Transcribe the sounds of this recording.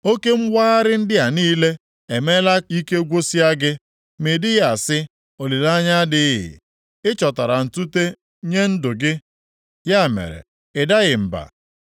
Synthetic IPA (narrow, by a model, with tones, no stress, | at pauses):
o˦ke˦m̩˦wʷaː˦a˦ɾɪ˦n̩˦dɪ˦a˨niː˦le˦ | e˨me˦la˦i˦ke˦ɡʷo˦si˦a˦ɡɪ˦ | me˨dɪ˦ɣa˨sɪ˦ | o˨li˨la˦ɲa˦dɪ˦ɦɪ̰˨ | ɪ˦t͡ʃɔ˨ta˨ɾa˨n̩˨tu˦te˦ | ɲe˦n̩˦dʊ˨ɡɪ˦ | ja˦˨mḛ˨ɾḛ˨ | ɪ˨da˦ɣɪ˨m̩˨ba̰˨